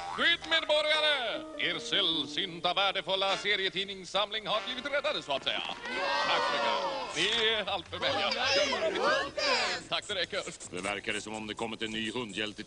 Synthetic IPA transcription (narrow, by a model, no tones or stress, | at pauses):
ɧyːt̪meːd̪̚bɔɾjaɾəʔeːɾsɛlsʏnt̪avæːɖəfɵlːaseːɾɪət̪ʰiːnɪŋsamlɪŋhaɾbliːvɪt̪ɾɛd̪ːad̪əsɔat̪sɛ̰jːa̰t̪ʰaksɛɛnɪalt̪fœɾmɛjakaɪ | t̪ʰak̚ːt̪ɛɾɛkːədɛ̰væ̰ɾkad̪əsɔmɔmd̪ɛkʰɔmːɪt̪ɛnːyːhɵnd̪jɛlt̪ɪ